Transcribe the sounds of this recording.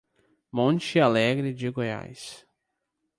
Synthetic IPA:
mõnt͡ʃɪalɛɡɾɪd͡ʒɪɡoja̰js

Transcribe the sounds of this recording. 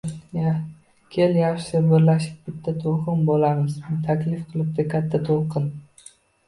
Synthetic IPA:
ja | kʲʰeljɑʃsabɪɾlaʃɪp̚bɪt̪ʰːat̪ʰolˠqɨnbolamɪzt̪ʰakʲlɪfqʰɨlˠɪp̚t̪ʰakʲʰat̪ʰːat̪ʰolqʰɨn

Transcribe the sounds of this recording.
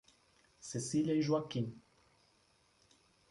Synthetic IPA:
sesilʲajʒwakːin

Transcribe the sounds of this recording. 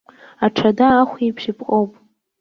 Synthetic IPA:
aʈ͡ʂʰadaːχʷipʰʃɪpʰʼqʼowpʼ

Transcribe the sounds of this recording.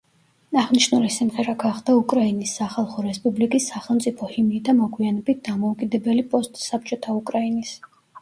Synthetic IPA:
aʁniʃnulisimʁɛɾaɡaχd̪aukʼɾainisːaχalˠχɔɾɛspʼublikʼisːaχɛlˠmt̪sʼipʰɔhimd̪amɔɡwianɛbit̪̚d̪̥amɔukʼid̪ɛbɛlipʼɔst̪ʼsap̚t͡ʃʼɔt̪ʰaukʼɾainis

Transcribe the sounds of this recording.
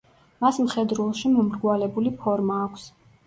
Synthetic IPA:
masmχɛd̪ɾulˠʃimɔmɾɡwalɛbulipʰɔɾmaːkʷʰs

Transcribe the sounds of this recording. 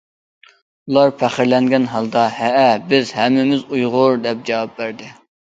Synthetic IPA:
ulˠɑɾpʰæχɪɾlɛŋɡʲɛnɦɑlˠd̪ɑhɛʔɛbɪzhɛmːɪmɪzujʁʊɾd̪ɛp̚d͡ʒɛwɑp̚bæɾd̪ɪ

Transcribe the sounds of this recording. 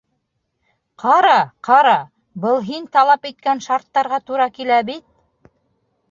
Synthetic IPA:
qʰɑɾɑqɑɾɑ | bɤlˠɦint̪ɑlˠɑpit̪̚kænʃɑɾt̪ːɑɾʁɑt̪uɾɑkilæbit̪̚

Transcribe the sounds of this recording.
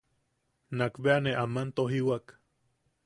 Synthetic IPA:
nakbeaneʔamant̪oɦiwak

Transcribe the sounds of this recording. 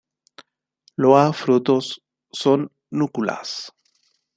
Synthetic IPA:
loafɾut̪osː | onː | ukula̰s

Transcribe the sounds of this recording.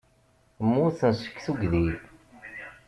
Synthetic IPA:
mːʊθənsə̥kːθuɡðiθ

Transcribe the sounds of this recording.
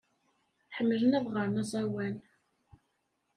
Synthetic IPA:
ħəmːələnæðʁəɾˤnɑzˤɑwæn

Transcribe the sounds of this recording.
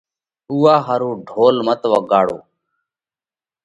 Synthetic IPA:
uːaːɦəɾũːɖʱoːlmət̪ʋəɠaːɽo̰ː

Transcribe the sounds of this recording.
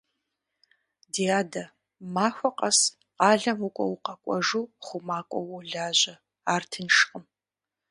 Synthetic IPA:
diaːdɐ | maːxʷɔqʼɐs | qɑːɮɐmukʷʼɔ̰wʊqɐkʷʼɔʒuːχʷʊmaːkʷʼɔwuɮaːʑɐ | aːrtʰɨnʂqʼəm

